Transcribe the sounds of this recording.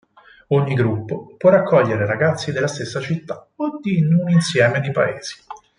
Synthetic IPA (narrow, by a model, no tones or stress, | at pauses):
oɲːiɡɾupːopwɔrakʰːɔʎːeɾeɾaɡat̪sːid̪elːast̪esːat͡ʃit̪ːḁod̪inuninsjɛːmed̪ipa̰ḛːz̥i̥